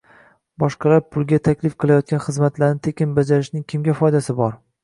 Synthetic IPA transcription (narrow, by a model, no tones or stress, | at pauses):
bɒʃqʰɑlaɾpʰʊlˠɡʲat̪ʰakʲlɪfqʰɨlˠajɒt̪̚kʲanχɨzmat̪laɾnɪt̪ʰekʲʰɪnbad͡ʒaɾɪʃnɪŋkʲʰɪmɡʲafɒjd̪asɪbɒɾ